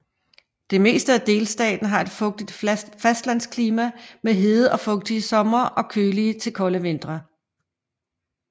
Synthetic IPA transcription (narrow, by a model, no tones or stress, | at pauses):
d̥e̝me̝̰ːsd̥əæd̥e̝ːlsd̥ɛ̰ːd̥n̩ɦɑ̈e̝d̥fɔ̽ɡ̥̚d̥id̥fæsd̥læn̰skʰliːmæmeɦe̝ð̞̩ˠɒ̽fɔ̽ɡ̥̚d̥iəsɒ̽mɐʔɒ̽kʰøːliət͡sʰe̝lkʰɒ̽ləʋe̝n̰d̥ʁɐ